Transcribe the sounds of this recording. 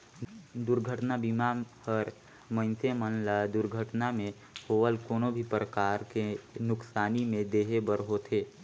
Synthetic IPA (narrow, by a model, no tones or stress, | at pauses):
d̪ʊɾɡʱəʈnabimapəɾ | mə̃nsemənlad̪ʊɾɡʱəʈnamẽ | hoːʋəlkoːnobʱipɾəkaːɾkenʊksaːnimẽd̪eːɦebəɾɦot̪ʰeː